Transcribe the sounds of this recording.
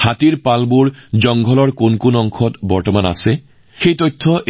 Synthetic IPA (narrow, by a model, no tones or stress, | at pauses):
hatiɹpalbuɹd͡ʒɔŋɡʱɔlɔɹkunkunɔŋkʰɔtbɔɹtɔmana̰sɛ | xejtɔjtʰːɔʔ